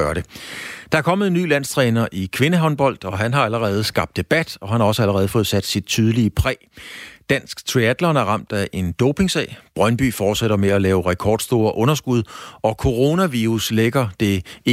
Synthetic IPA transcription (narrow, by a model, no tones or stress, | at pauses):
ɶɐɾed̥ɑ̈æɐkʰɒ̽m̰ð̩ˠny̰ːlæn̰st͡sʰʁɛːnɐʔikʰʋe̝nəɦɒ̽nb̥ɒ̽l̰d̥ɒ̽ɦænɦɑ̈æləʁɛːð̞̩ˠəsɡ̥ɑ̈b̥d̥e̝b̥æd̥ɒ̽ɦænhɑ̈ɒ̽səæləʁɛːð̩ˠfɔ̽ːð̞̩ˠsæd̥sid̥̚t͡sʰyð̞ˠəliəpʰʁɛ̰ːd̥æn̰sɡ̥t͡sʰʁiæd̥lɒnæɐʁɑ̈m̰d̥æʔe̝nd̥ɔʊpʰe̝ŋsɛ̰ːɪb̥ʁɶnb̥y̰ːfɒːd̥seɾ̥ɐmeælɛːʊʁɛkʰɒ̰ːd̥sd̥o̝ːɐʔɔ̽nɐsɡ̥uð̞ˠɒ̽kʰo̝ʁo̝næʋiʁusleɡ̥ɐd̥e̝